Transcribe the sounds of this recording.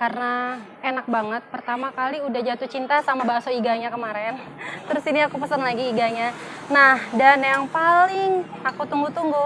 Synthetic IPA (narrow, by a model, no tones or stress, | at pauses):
karənakenak̚baŋət̪̚pərt̪amakaliudahd͡ʒat̪ut͡ʃint̪asamabaasoiɡaɲakəmaɾɛn | t̪ɾʊsiniakupəsənlaɡiːɡaɲa | nahdanjaŋpalɪŋakut̪uŋɡut̪uŋɡu